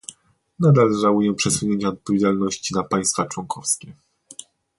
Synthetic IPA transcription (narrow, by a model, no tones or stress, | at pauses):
nad̪alʐawujɛpʂɛsuɲeɲt͡ɕaɔt̪̚pɔvʲed͡ʑalnɔɕt͡ɕinapaj̃st̪fat͡ʂwɔŋkʰɔfskʲɛ